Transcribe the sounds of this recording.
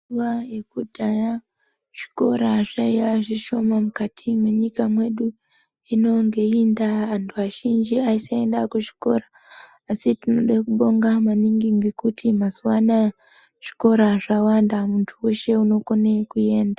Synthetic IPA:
uwajekudaja | ʃi̥ko̞ɾaʐ̥aijaʐiʃo̞mamukatʰimweɲikamwe̞ɗu | ino̞ŋɡe̞indaʋantʰuaʃind͡ʒiaisaendakuʐi̥ko̞raː | sitinoɗakuɓo̞ŋɡamaniŋɡiŋɡekutimasuwana | ʐ̥i̥ko̞ɾaʐawandamuntʰuwe̞ʃe̞uno̞ko̞nekuje̞ːnda

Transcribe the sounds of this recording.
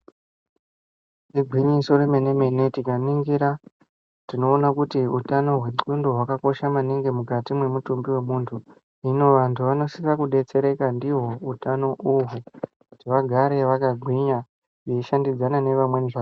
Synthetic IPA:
iɡʱiɲiso̞remene̞me̞netikaniŋɡiɾa | tino̞ːnakutiutano̞ɦwe̞ǃundoɦwakako̞ʃamaniŋɡe̞mukatimwe̞mutumbiwe̞muːntʰu | ino̞ʋantʰuʋano̞siʋakuɗe̞t͡se̞ɾe̞kandiɦo̞utano̞ʔuɦu | kutiʋaɡʱaɾe̞ʋakaɡʱwiɲa | jeiʃandid͡zanane̞ʋamwe̞niʐa

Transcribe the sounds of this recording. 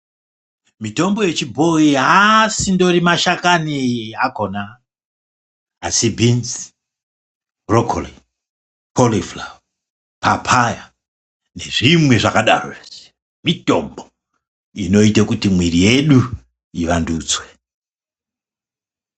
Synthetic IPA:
mito̞mboje̞t͡ʃibʱoiɦasindo̞rimaʃakaniakona | asibʱinzi̥ | rokʰoli | pʰolifla | papʰaja | ne̞ʐimwe̞ʐakaɗa̰ro̰ee̥ | mito̞mbo | ino̞itakutimwirije̞ɗu | iʋanduːd͡zwe

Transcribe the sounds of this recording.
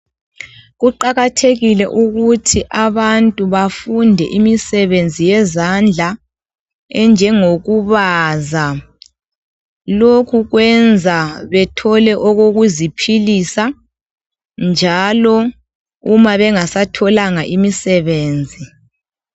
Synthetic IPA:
ɣuǃaɣatʰeɣilɛ̰ʔuɣutʰiʔaβantʼuβafundʱɛ̰ʔimisɛβend͡zʱijɛzand͡ɮʱa | ɛnd͡ʒʱɛŋoɣuβaza | lokʰuɣwɛnd͡zʱaβɛtʰɔlɛʔɔɣoɣuzipʰilisa | nd͡ʒʱalɔ | umaβɛŋasatʰɔlaŋaʔimisɛβeːnd͡zʱi

